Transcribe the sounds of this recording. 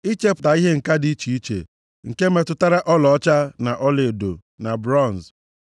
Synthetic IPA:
i˦t͡ʃe˦pʊ̥˨ta˨i˦ɦe˦ŋ̩˨ka˦di˨˦t͡ʃi˨i˦t͡ʃḛ˨ | ŋ̩˨ke˦me˨tʊ˦ta˦ɾa˦ʔɔ˦lɔ˨˦t͡ʃa˦na˨ʔɔ˦le˨do̰˨ | na˨bɾɔ˦˨n˨s

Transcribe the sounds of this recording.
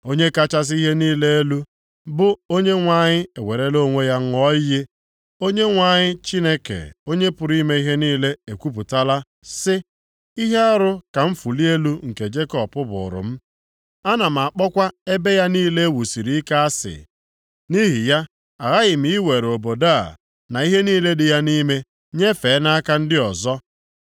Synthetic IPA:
o˦ɲe˦ka˦t͡ʃa˦s̬i˦ɦe˦niː˦le˦e˦lu˦ | bʊ˦o˦ɲe˦ŋʷa˨ɲɪ˦e˨we˨ɾe˦lo˦ŋʷe˦ja˦ŋ̩˦ɔ˦ɪ˦je˦ | o˦ɲe˦ŋʷa˨ɲɪ˦t͡ʃi˦ne˦kḛ˨o˦ɲe˦pʊ˨ɾi˦me˦i˦ɦe˦niː˦le˦e˨kʷu˦p̬ʊ˨ta˦la˦ | sɪ˦ | i˦ɦe˦a˦ɾʊ˦ka˨m̩˦fu˨li˦e˦lu˦ŋ̩˨ke˨d͡ʒe˦kɔ˦pʊ˦bʊ̰˨ɾʊ̰˨m̩˦ | a˦na˨m̩˨a˨k͡pɔ˦kʷa˦e˦be˦ja˦niː˦le˦wu˨si˨ɾi˦ka˦a˦sɪ̰˨ | ni˦ɦi˨ja˦ | a˨ɣa˦ɣɪ˨m̩i˨˦we˨ɾo˨bo˨da˦˨ | na˨i˦ɦe˦niː˦le˦dɪ˨ja˦ni˦me˦ | ɲe˦fe˨˦na˦ka˦n̩˦dɪ˦ɔ˨zɔ˦

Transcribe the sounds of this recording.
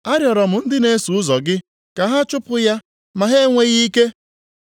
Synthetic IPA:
a˦ɾjɔ˨ɾɔ˨m̩˨n̩˦dɪ˦ne˦su˨ʊ˦zɔ˨ɡɪ˦ | ka˨ɦa˦t͡ʃʊ˦pʊ˦ja˦ | ma˨ɦe˦ŋʷe˦ɣi˦ke˦

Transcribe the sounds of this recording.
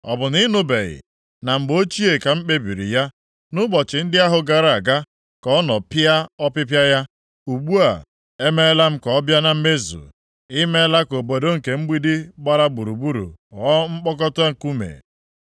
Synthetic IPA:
ɔ̰˨bʊ˨ni˦nʊ˦be˨ɣɪ̰˨ | na˨m̩˨ɡ͡bo˦t͡ʃi˦e˨ka˨ŋ͡m̩˦k͡pe˦bi˨ɾḭ˨ja˦ | nʊ˦bɔ˨t͡ʃɪ˨n̩˦dɪ˦a˦ɦʊ˨ɡa˨ɾa˨ɡa˦ | kɔ˨˦nɔ˨pɪ˦a˦ɔ˦pɪ˦pja˦ja˦ | u˨ɡ͡bu˦a̰˨ | e˦me˦la˦m̩˦kɔ˨ɔ˦bja˦na˨m̩˦me˦zṵ˨ | i˦me˦la˦ko˨bo˨do˦ŋ̩˨ke˨ŋ͡m̩˦ɡ͡bi˦dɪ˦ɡ͡ba˦ɾa˦ɡ͡bu˨ɾu˨bu˦ɾṵ˨ɔ˨˦ŋ͡m̩˦k͡pɔ˦k̬ɔ˦tʊ˦a˦ŋ̩˨ku˦mḛ˨

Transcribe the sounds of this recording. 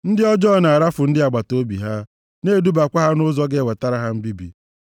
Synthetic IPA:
n̩˦dɪ˦ɔ˦d͡ʒɔː˦˨na˨a˨ɾa˦fʊ˨n̩˦dɪ˦a˨ɡ͡ba˨to˦bḭ˨ɦa˦ | ne˦˨du˦ba˨kʷa˦ɦa˦nʊ˦zɔ˦ɡe˦we˨ta˦ɾa˦ɦa˦m̩˦bi˦bḭ˨

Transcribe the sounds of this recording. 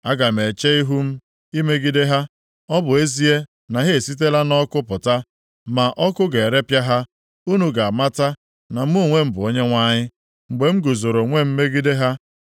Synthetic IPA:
a˦ɡa˨me˨t͡ʃe˦i˦ɦu˦m̩˦ | i˦me˦ɡi˦de˦ɦa˦ | ɔ˦bʊ˨e˦zi˦e˦ | na˨ɦe˦e˨si˦t̬e˦la˦nɔ˦kʊ˦pʊ˨ta˦ | ma˨ʔɔ˦kʊ˦ɡe˨ɾe˦pja˦ɦa˦ | u˦nu˨ɡa˨a˨ma˦ta˦ | na˨m̩˦mu˦˨ŋʷe˦m̩˦bʊ˨o˦ɲe˦ŋʷa˦ɲɪ˦ | ŋ͡m̩˨ɡ͡be˨m̩˦ɡu˨zo˨ɾo˨ŋʷe˦m̩˦me˦ɡi˦de˦ɦa˦

